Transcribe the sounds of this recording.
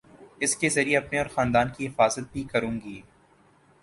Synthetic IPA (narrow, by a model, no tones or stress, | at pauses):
ɪskezɐɾieɐpneɔːɾxaːnd̪aːnkiɦɪfaːzət̪̚bʱikɐɾũːŋɡiː